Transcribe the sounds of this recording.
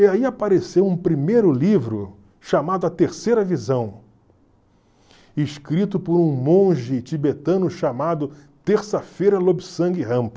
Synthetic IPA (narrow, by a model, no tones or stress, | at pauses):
iaiapaɾesewũpɾimejɾʊlivɾʊ | ʃamad̪ʊɐt̪eɾsejɾɐvizɐ̃w̃ | ɪʃkɾit̪ʊpoɾũmõʒɪt͡ʃibet̪ɐ̃nʊʃamad̪ʊ | t̪eɾsɐfejɾɐlobisɐ̃ŋɡɪɦɐ̃pɐ